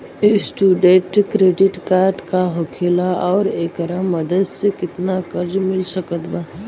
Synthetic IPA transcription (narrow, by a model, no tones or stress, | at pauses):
sʈuːɖẽʈkɾeːɖɪʈkaːɾʈkaɦokʰeːlaʔɔːɾeːkəɾəmɐd̪əd̪sekɪt̪nakɐɾd͡ʒmɪlsəkət̪baː